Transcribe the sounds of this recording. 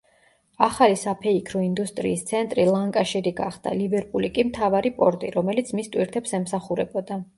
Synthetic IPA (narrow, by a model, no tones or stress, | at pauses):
aχalisapʰɛikʰɾɔind̪ust̪ʼɾḭːst̪sʰɛnt̪ʼɾilˠaŋkʼaʃiɾiɡaχd̪a̰libɛɾpʼulikʼimt̪ʰavaɾipʼɔɾt̪ʼiɾɔmɛlit̪sʰmist̪ʼwiɾt̪ʰɛpsɛmsaχuɾɛbɔd̪a